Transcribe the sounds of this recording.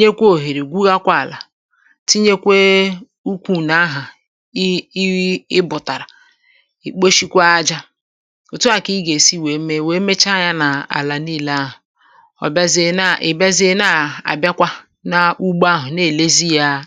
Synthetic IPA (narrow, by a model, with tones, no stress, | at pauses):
ɲe˦kʷo˨ɦe˨ɾe˨ɡʷu˦ɣa˦kʷa˦˨la˨ | ti˦ɲe˦kʷe˦ | u˦kʷu˨na˨˦ɦa˨˦ | ɪ˦bʊ˨ta˨ɾa˨ | i˨k͡po˦ʃi˦kʷa˦a˦d͡ʒa˦ | ʊ˨tʊ˦a˨ki˦ɡe˨si˦we˨˦me˦we˨˦me˦t͡ʃa˦ja˦na˨a̰˨la˨niː˦˨la˦ɦʊ˨ | ɔ̰˨ba˦ze˦na˨ʔe˨ba˦zi˦e˦na˨a̰˨bja˦kʷa˦ | na˨u˦ɡ͡ba˦ɦʊ˨ne˦˨le˦zi˦ja˦